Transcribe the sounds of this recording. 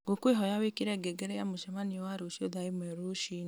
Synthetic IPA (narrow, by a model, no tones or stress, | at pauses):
ɡokweɦɔjawekiɾɛɡɛɡɛɾɛjamoʃɛmaniwaɾoʃioðaemɛɾoʃi